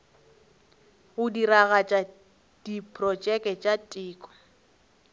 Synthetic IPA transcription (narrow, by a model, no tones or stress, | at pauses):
ɣʊdiraɣat͡ʃʼa | d̥ipʰʼrɔt͡ʃʼɛkʼɛt͡ʃʼatʼɪːkʼɔ̥